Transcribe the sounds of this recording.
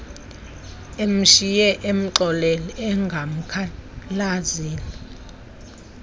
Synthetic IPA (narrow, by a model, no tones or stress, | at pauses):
em̩ʃijɛʔem̩ǃɔlɛliɛŋɡʱam̩kʰalaziːni